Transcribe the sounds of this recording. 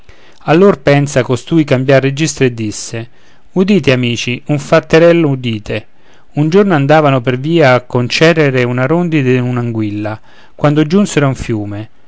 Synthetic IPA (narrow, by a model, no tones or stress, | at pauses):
alːorpɛnsakost̪uːjkambjarːed͡ʒist̪ɾoed̪ːisːe | ud̪iːt̪eamiːt͡ʃiuɱfat̪ːeɾɛlːoud̪iːt̪e | und͡ʒornoand̪aːvanoperviːaːkːont͡ʃɛreɾeunaɾond̪id̪eunaŋɡwilːa | kwand̪od͡ʒunseɾauɱfjuːme